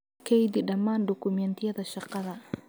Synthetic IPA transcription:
kʰɛjd̪ɪɖɐmːaːnɖʊkʰʊmɛnt̪ʰɪjɐðɐʃɑqɑðɐ

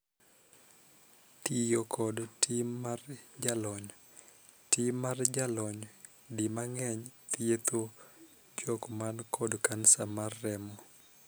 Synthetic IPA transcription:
tijokʰɔdtʰimːard͡ʒalɔɲ | timard͡ʒalɔɲ | dimaŋɛɲt̪jet̪o | d͡ʒɔkmankʰɔdkansamarːɛmɔ

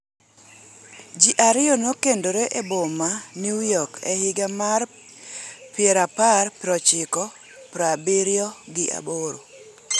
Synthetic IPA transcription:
d͡ʒiʔaɾɪjɔnokendoɾeʔebomanjujɔkɛhɪɡamar | pɪɛɾaparpɾɔt͡ʃɪkɔ | pɾabiɾjɔɡɪʔa̰boɾo

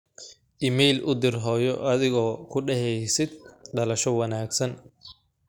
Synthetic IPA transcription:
ʔɪmɛjlʔʊd̪ɪrɦɔːjɔʔɐðɪɣɔːkʰʊɖɛɦɛjsɪd̪̚ɖɐlɐʃɔwɐnaːɡsɐn

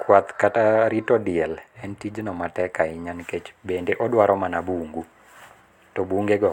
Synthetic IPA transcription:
kwat̪kataɾitɔdɪɛlɛntid͡ʒnɔmatɛkaɪɲanket͡ʃbendeʔɔdwaɾɔmanabuŋɡu | tɔbuŋɡeɡɔ

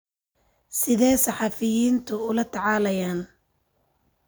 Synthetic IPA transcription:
sɪðɛːjsɑħɑfɪjiːnt̪ʰʊʊlɐt̪ʰɑʕɑːlɐjaːn

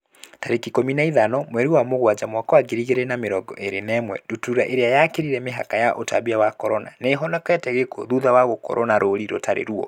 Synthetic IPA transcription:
taɾekikominaiðanɔmwɛɾiwamoɣwad͡ʑamwakɔaɡiɾiɣeɾɛnameɾɔɡɔ̰ʔeɾenɛːmwɛ̰dutuɾaʔeɾeajakeɾiɾɛmeɦa̰kajaʔota̰βiawakɔɾɔna̰neɦɔnɔkɛtɛɣeko̰ðuðawaɣokɔ̰ɾʔɔnaɾoɾiɾo̰taɾḛɾuɔ̰

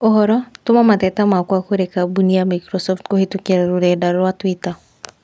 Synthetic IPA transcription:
ɔɦɔɾɔtomamatɛtamakwakoɾɛkabuniamakɾɔsɔftkohitukɛɾaɾoɾɛdaɾwatwita

